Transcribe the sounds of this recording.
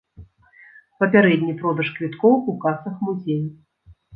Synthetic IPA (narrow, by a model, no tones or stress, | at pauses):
pɐpʲaɾɛd̪ʲnʲipɾɔd̪ɐʂkvʲit̪kɔwukasɐxmuzʲej